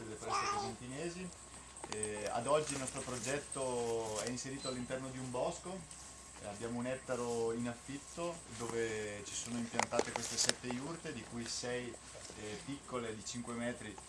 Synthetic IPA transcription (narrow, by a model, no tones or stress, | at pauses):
d̪elːefɾɛst̪ekizent̪inɛːzi | a̰d̪ɔd͡ʒːilnɔst̪ɾopɾod͡ʒɛt̪ːoɛinseɾiːt̪oalːint̪ɛrnod̪iumbɔsko | abːjaːmounɛt̪ːaɾoinafːit̪ːod̪oːvet͡ʃi̥soːnoimpjant̪aːt̪ekwest̪esɛt̪ːejurt̪ed̪ikujsɛj | pikːoled̪it͡ʃiŋkwemɛːt̪ɾi